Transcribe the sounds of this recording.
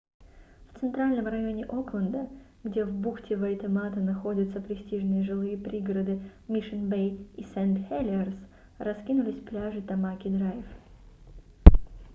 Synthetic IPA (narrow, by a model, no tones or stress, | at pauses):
ft̪sɨnt̪ɾalʲnəmrɐjo̞nʲɪʔo̞klˠənd̪ə | ɡdʲe̞vbuxtʲɪvəjt̪ɨmat̪ənɐxo̞dʲət̪səpɾʲɪsʲtʲiʐnɨjəʐɨlˠɨjəpɾʲiɡɾəd̪ɨmʲiʂɨnbejisɛnt̪xʲelʲɪərs | rɐskʲinʊlʲɪsʲplʲaʐɨt̪ɐmakʲɪd̪ɾajf